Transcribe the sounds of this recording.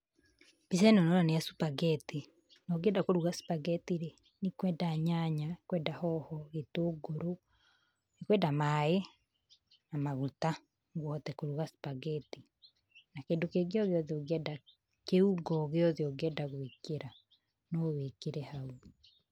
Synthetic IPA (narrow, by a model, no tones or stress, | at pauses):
b̥is̬ɛnɔnɔɾaneasupaɡɛti | nɔɡɛdakoɾuɣasu̥paɡɛtiɾe | nikwɛdaɲaɲakwɛːdahɔhɔɣetoːɡoɾo | nikwɛdamaːe | namaɣuta | ŋɡwɔtɛkoɾuɣasu̥paɡɛti | nakeːndokeɣeɔɣeɔðioɡɛda | keuɡɔɣeɔðeoɡɛdaɣwekeɾa | nɔβekeɾɛhau